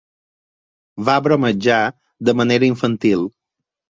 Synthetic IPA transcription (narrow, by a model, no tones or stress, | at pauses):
βaβɾoməd͡ʒa | d̪əməneɾəiɱfənt̪ilˠ